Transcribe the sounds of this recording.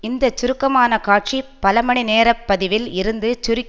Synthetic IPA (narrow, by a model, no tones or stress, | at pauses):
ɪnd̪ɐt͡ʃːʊɾɯkːɐmaːnɐkaːʈ̚t͡ʃipɐlɐmɐɳineːɾɐpːɐðɪʋɪlɪɾɯnd̪ɯt͡ʃʊɾɯkː